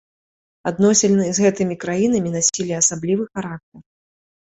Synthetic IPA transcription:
ad̪nɔsʲɛlʲnɨzɣɛt̪ɨmʲikɾajinɐmʲinasʲilʲɛasablʲivɨxaɾak̚t̪ɐr

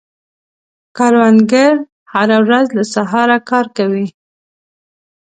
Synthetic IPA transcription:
kɑɾwanɡaɾ | haɾawɾazlasaɦɑɾakɑɾkawi

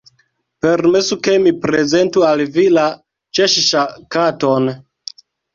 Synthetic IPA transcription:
pe̞ɾme̞suke̞mipɾe̞ze̞ntualvila | t͡ʃeʃʃakato̞n

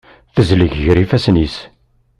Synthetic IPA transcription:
θəzləʝʝɾifæsnis

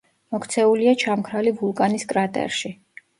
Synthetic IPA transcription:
mɔkʰt̪sʰɛuliat͡ʃʰamkʰɾalivulˠkʼaniskʼɾat̪ʼɛ̰ɾʃi

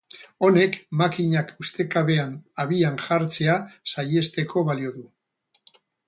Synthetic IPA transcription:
o̞ne̞kmakiɲakust̪e̞kaβe̞anaβianʝaɾt͡se̞asaje̞st̪e̞kʰo̞βalio̞ðu

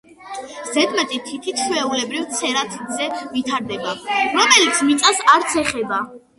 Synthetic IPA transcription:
zɛd̪mɛt̪ʼit̪ʰit̪ʰit̪ʃwɛulɛbɾivt̪sʰɛɾat̪ʰid̪zɛvit̪ʰaɾd̪ɛbaɾɔmɛlit̪sʰmit̪sʼasaɾt̪sʰɛχɛba

